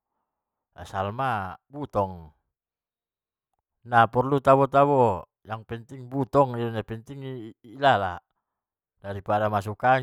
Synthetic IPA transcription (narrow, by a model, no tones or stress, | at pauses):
asalmabut̪ɔŋ | napɔrlut̪aβɔt̪aβɔ | jaŋpɛnt̪iŋbut̪ɔŋilɔɲapɛnt̪iŋiːlala | daɾipadamas̬uka